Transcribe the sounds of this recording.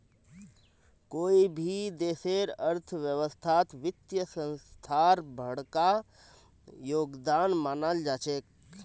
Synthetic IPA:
koːibʱid̪eːseɾəɾt̪ʰʋjəʋəst̪ʰaːt̪ʋɪt̪jəsə̃nst̪ʰaɾbʱəɽka | joːɡd̪aːnmaːnald͡ʒaːt͡ʃeːk̚

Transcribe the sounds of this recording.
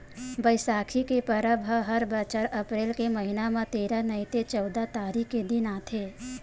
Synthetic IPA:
bəjsaːkʰikepəɾəbʱəɦəɾbət͡ʃəɾɐpɾeːlkeməɦinamãt̪eːɾanəɪ̃t̪et͡ʃɔʊd̪at̪aːɾied̪ɪnaːt̪ʰeː

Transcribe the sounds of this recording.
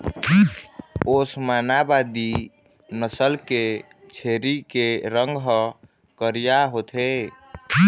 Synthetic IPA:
osmanabad̪i | nəsəlke | t͡ʃʰeɾikeɾəŋɡʱɦə | kəɾijaɦot̪ʰe

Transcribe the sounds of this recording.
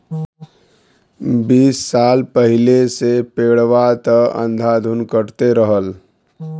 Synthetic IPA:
biːsːalpəɦɪlesepeɽʋat̪əə̰̃nd̪ʱad̪ʱunkəɾt̪eɾəɦəl

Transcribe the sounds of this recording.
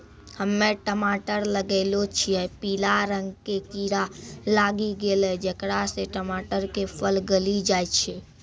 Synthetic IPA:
həmːẽʈəmaːʈəɾləɡeːlot͡ʃʰiɛpiːlaɾə̃ŋɡkekiɾalaːɡiɡeːlɛd͡ʒekɾaseʈəmaʈəɾkepʰəlɡəlid͡ʒajt͡ʃʰe

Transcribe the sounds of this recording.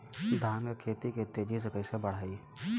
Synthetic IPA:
d̪ʱaːmkekʰeːt̪iket̪ːed͡ʒisekəɪsebəɽ̤aːi

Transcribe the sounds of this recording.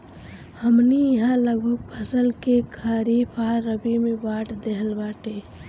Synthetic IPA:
həmnijəɦãləɡbʱək̚pʰəsəlkekʰaɾipʰaːɾəbimẽbaːʈd̪eɦəlbaːʈe

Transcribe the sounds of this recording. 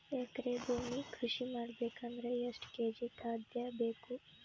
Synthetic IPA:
eːkɾeboːmikʰɾʊʃimɐɾbeːkɐnɾɐjɐsʈkeːd͡ʒik̪ʰaːd̪jabeːku

